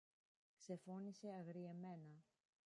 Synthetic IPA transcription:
kse̞fo̞nise̞ɐɣɾie̞me̞nɐ

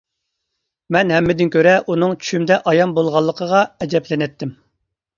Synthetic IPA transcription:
mɛnhɛmːɪd̪ɪnkʲʰøɾɛʔunɨŋt͡ʃʰy̥ʃymd̪ɛʔɑjɑmbolˠʁɑlˠːəqʰəʁɑɛd͡ʒɛplɪnɛt̪ʰːɪm

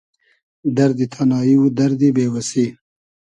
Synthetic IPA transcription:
d̪aɾd̪it̪ʰanɑjiwud̪aɾd̪ibewasi

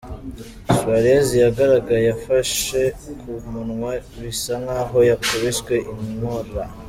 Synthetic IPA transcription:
swaɾezijaɡaɾaɡajejafaʃe̞kʰumunŋwaβisaŋaːɦo̞jakoβeʃwe̞ʔimŋoɾa

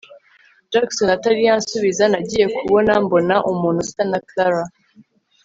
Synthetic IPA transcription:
d͡ʒaksonataɾijansuβizanaɟije̞kuβo̞nambonaʔumuːnhusi̥tanaklaɾa

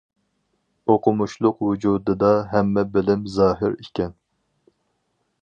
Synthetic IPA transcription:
oqʰʊmuʃlˠʊqwud͡ʒud̪ɨd̪ɑɦɛmːɛbɪlɪmzɑːɦɪ̰ɾikʲʰɛn

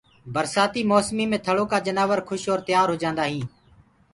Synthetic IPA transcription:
bəɾsaːt̪iːmoːsmiːmẽːt̪ʰəɭoːkaːd͡ʒənaːʋəɾkʰʊʃoːɾt̪əɪjaːɾɦoːd͡ʒãːnd̪aːɦĩː

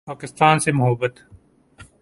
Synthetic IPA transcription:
paːkɪst̪aːnsemʊɦəbət̪

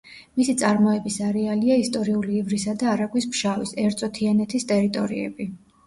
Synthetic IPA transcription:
misit̪sʼaɾmɔɛbisaɾɛaliaist̪ʼɔɾiuliːvɾisad̪aːɾaɡwismʃavisɛɾt̪sʼɔt̪ʰianɛt̪ʰist̪ʼɛɾit̪ʼɔɾiɛ̰bi

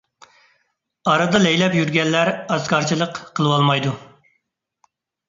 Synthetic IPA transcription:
ɑɾɑd̪ɑlɛjlɛpjyɾɡʲɛnːæɾɑskɑɾt͡ʃʰilˠəqqʰəlˠɨwɑlˠmɑjd̪u

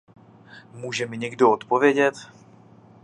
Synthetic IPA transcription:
muːʒɛmɪɲɛɡdo̞ot̪povjɛɟɛt̪

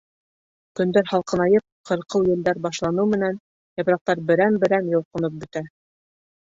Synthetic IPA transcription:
kɵ̆nd̪æɾhɑlˠqɤ̆nɑjɤp̚qʰɤ̆ɾqɤwjɘ̆ld̪æɾbɑʃlˠɑnɤwmɘ̆næn | jɑpɾɑq̚t̪ɑɾbɘ̆ɾænbɘ̆ɾænjŏlˠqɤ̆nɤp̚bɵ̆t̪æ

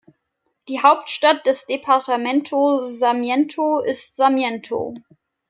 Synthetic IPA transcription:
d̥iːɦaʊptʃtat̚d̥ɛsd̥epʰaɐtamɛntʰozamjɛntʰoɪstz̥amjɛntʰo̰

